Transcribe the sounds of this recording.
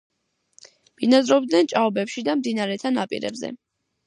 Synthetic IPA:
b̥inazɾɔb̚d̪nɛnt͡ʃʼaɔbɛpʃid̪amd̪inaɾɛt̪ʰanapʼḭɾɛ̰bzɛ̰

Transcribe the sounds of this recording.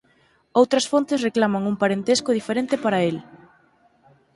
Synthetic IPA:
owt̪ɾɐsfont̪ɪsreklamɐŋuŋpaɾent̪eskoð̞ifeɾent̪ɪpaɾɐel

